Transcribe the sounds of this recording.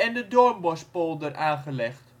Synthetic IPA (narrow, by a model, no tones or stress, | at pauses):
ɛndədormʋɔspolˠdərʔaːnχəlɛχt